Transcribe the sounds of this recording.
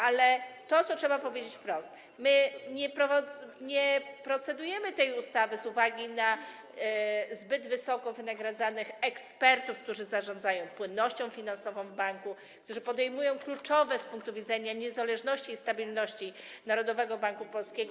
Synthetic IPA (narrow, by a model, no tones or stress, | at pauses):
ʔalɛt̪ɔt̪sɔtʂɛbapɔvʲjed͡ʑet͡ɕfpɾɔst̪ | mɘɲɛpɾɔvɲɛpɾɔt̪sɛd̪ujɛmɘt̪ɛjust̪avɘzuvaɡʲina | zbɘd̪vɘsɔkɔvɘnaɡɾad̪zanɘxɛkspɛɾt̪ufkt̪uʐɘzaʐɔ̃nd̪zajɔ̃w̃pwɘnːɔɕt͡ɕɔ̃w̃fʲinansɔvɔ̃w̃vbaŋku | k̚t̪uʐɘpɔd̪ɛjmujɔ̃w̃klut͡ʂɔvɛspuŋkt̪uvʲid̪zɛɲaɲɛzalɛʐnɔɕt͡ɕiːst̪abʲilnɔɕt͡ɕinaɾɔd̪ɔvɛɡɔbaŋkupɔlskʲeɛɡɔ